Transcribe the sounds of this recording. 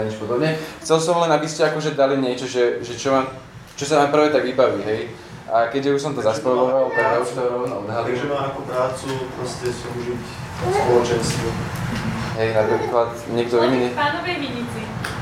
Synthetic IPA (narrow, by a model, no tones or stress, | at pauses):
ɲɛt͡ʃpɔd̪ɔbɲɛxt͡sɛlsɔmlɛnabiscɛakɔʒɛd̪aliɲɪɛt͡ʃɔʒɛʒɛt͡ʃɔmaːm | t͡ʃɔsamaːmpr̩ʋɛt̪aɡʋibaʋiːɦɛj | ʔakɛɟʒɛuʃsɔmt̪ɔzaspɾɔʋɔʋalt̪aɡt̪auʃt̪ɔɾɔʊnɔɔd̪ɦaliʒɛmaːmakɔpɾaːt͡supɾɔscɛsɔuʒic | spɔlɔt͡ʃɛnst̪ʋu | ɦɛjnapɾiklat̪ɲɛɡd̪ɔimnipaːnɔʋɛmiɲit͡si